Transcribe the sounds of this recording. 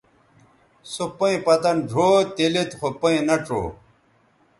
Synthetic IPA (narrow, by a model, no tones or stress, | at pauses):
sopɐĩpɐt̪ɐnɖʱoːt̪ilit̪xʰopɐĩnɐʈ͡ʂo̰ː